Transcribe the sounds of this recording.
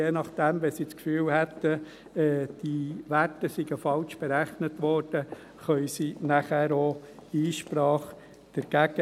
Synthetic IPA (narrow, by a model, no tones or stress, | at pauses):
jeːnɑχd̪̥æmʋɛsit͡skfyːlhæt̪ːə | ɛːd̥iʋætəsiɡəfɑlʃb̥eɾæχnət̪ʋɔːɾd̥ə | χœʏsinæχæːɾoiːʃpɾɑːχ | d̥ɛɾɡ̥æɡ̥ə